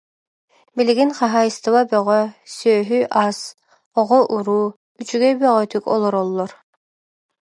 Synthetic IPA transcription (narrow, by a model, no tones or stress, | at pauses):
biliɡinχaɦajɯst̪ɯβabœʁœsøːɦyʔas | ɔʁɔʔuɾuː | yt͡ʃyɡɛbœʁœt̪ykɔ̰lˠɔɾɔlˠːɔɾ